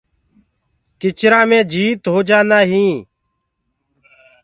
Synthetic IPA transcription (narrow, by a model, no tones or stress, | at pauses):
kɪt͡ʃɾãːmẽːd͡ʒiːt̪ɦoːd͡ʒaːnaːɦĩː